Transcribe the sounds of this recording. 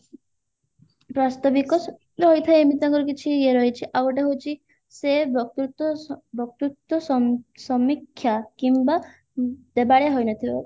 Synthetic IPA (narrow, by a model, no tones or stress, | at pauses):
pɾast̪ɔbikɔs | ɦojt̪ʰaeemit̪ɔŋkɔɾɔk̬it͡ʃʰieɾɔɦet͡ʃʰiʔabɔʈ̬eɦot͡ʃʰi | sebɔk̚t̪ut̪ɔbʱɔk̚t̪ut̪ːɔsɔsɔmikʰːjakimba | d̪̥ebaɽeɦojnɔt̪ʰiba